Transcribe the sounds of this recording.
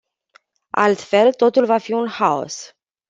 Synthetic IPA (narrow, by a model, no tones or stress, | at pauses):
a̰lt̪fe̞lt̪o̞t̪ulvafiunhao̞̰s